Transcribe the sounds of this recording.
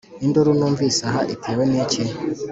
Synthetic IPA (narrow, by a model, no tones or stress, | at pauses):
indoɾunuːɱvisaɦaʔitʰeːwenece